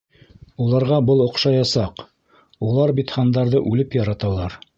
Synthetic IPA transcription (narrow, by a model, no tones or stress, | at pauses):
ulˠɑɾʁɑbɤlˠŏqʃɑjɑsɑq | ulˠɑɾbit̪χɑnd̪ɑɾðɤʔʉlɘpjɑɾɑt̪ɑlˠɑɾ